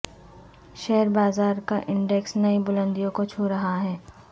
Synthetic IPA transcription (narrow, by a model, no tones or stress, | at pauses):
ʃɛɦəɾbaːzaːɾkaʔɪ̃ɳɖɛksnɐibʊlə̃nd̪ijõkot͡ʃʰuɾɐɦaɦɛː